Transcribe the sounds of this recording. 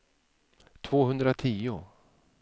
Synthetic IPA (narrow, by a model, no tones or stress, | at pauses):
t̪ʰv̥oːɦɵnd̪ɾat̪ʰiːʊ